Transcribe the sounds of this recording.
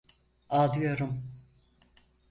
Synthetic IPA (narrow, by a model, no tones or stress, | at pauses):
aːd̪ɯjo̞ɾum